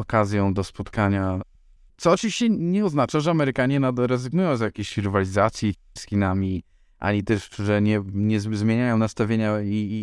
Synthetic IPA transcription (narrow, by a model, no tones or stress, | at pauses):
ɔkazʲjɔ̃w̃d̪ɔspɔt̪kaɲa | t̪sɔɔt͡ʂɨviɕt͡ɕɛɲɛɔznat͡ʂaʐɛamɛɾɘkaɲɛnad̪ɾɛzɘɡnujɔ̃w̃zjakʲeɕxʲiɾɘvalʲizat̪sʲji | sxʲinamʲi | ʔa̰ɲit̪ɛʂʐɛɲɛɲɛzzmʲjeɲajɔ̃w̃nast̪avʲjeɲai